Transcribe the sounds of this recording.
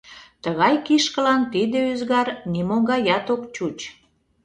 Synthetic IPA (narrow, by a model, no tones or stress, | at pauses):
t̪əɣɑjkiʃkəlɑnt̪id̪eyzɣɑrnimoɣɑjɑt̪okt͡ɕut͡ɕ